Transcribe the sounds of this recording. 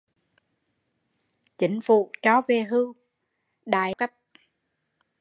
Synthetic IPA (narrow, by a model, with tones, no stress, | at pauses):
t͡ɕï˨˦ŋ̟fṵ˧˨t͡ɕɔ˨˦ve˧˩ɦɨ˧ | ɗa̰ː˧˨jkə˦˥p̚